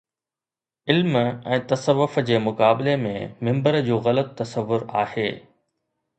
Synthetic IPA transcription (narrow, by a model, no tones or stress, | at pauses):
ɪlmɛ̃ːt̪ɐsəʋːʊfd͡ʑeːmʊkaːbɪlemḛ̃mɪ̃mbəɾd͡ʑuːɣɐlət̪ːɐsəʋːʊɾaːheː